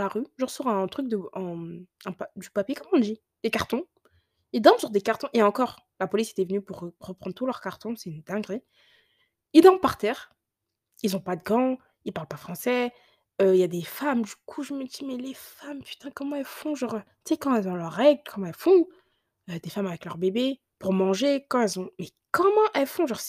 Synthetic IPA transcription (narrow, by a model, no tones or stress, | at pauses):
laʁyʒəʁəsɔʁɛ̃t̪χyk̚d̪əɛ̃ɛ̃pad̪ypapjekɔmɔ̃ld̪i | d̪̥ekaʁt̪ɔ̃ | ild̪ɑ̃bsyʁd̪ekaʁt̪ɔ̃ʔeɑ̃kɔʁ | lapɔlise̥t̪ɛvənypuʁʁəpχɑ̃d̪ʁt̪ulœʁkaʁt̪ɔ̃sɛnd̪̥ɛ̃ɡʁe | ild̪ɑ̃b̚paʁt̪ɛːʁ | ilzɔ̃pad̪əɡɑ̃ | ilpaʁlpafχɑ̃sɛ | øiljad̪efamd̪ykʰuʒəməd̪imɛlefampy̥t̪ɛ̃kɔmɑ̃ɛlfɔ̃ʒɑ̃ʁøt̪sekɑ̃ɛlzɔ̃lœʁɛɡlkʰɔmɑ̃ɛlfɔ̃ | ød̪efamavɛklœʁbebe | puʁmɑ̃ʒekɑ̃ɛlzɔ̃mɛ | kɔmɑ̃ʔɛlfɔ̃ʒɑ̃ʁs